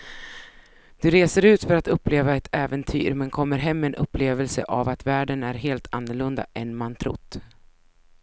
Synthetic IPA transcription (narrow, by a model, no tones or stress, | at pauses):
d̪̥ɵɾeːsəɾʉ̟ːt̪fœɾat̪ɵpːleːvaɛt̪ʰɛːvɛnt̪ʰy̰ːɾmɛnkʰɔmːəɾɦɛmːɛnʔɵpːleːvɛlsə̰ʔavat̪væːɖənæɾɦeːlt̪ʰanːəɭɵnd̪a̰ʔɛnmant̪ʰɾʊ̰t̪ː